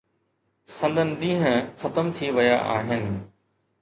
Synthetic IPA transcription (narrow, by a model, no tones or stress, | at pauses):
sɐ̃nd̪ənɪ̆ɗ̪ĩːɦə̃xɐt̪əmt̪ʰiʋɐjaʔa̰ːɦɪnɪ̆